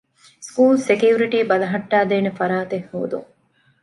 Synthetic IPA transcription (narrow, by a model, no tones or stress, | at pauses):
skuːlsekijuɾiʈiːbɐlɐɦɐʈːaːd̪eːnefɐɾaːt̪ehːo̰ːd̪ṵŋ